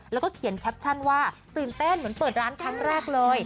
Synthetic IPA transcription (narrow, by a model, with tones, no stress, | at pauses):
llɛ˦˥wkɔː˥˩kʰi˨˩˦ənkʰɛ˦˥p̚t͡ɕʰa˥˩nwaː˥˩t̪ɯː˨˩nt̪e˥˩nmɯ˩˦ənpɤː˨˩t̪̚ɾaː˦˥nkʰɾa˦˥ŋɾɛː˥˩k̚lɤː˧j